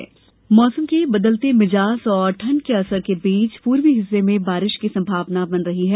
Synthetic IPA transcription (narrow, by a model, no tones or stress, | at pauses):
mɔːsəmkebɐd̪əlt̪emɪd͡ʒaːsɔːɾʈʰɐnkeɐsəɾkebiːt͡ʃpuːɾʋiɦɪsːemẽbaːɾɪʃkisɐ̃mbʱaːʋnabɐnɾɐɦiɦɛː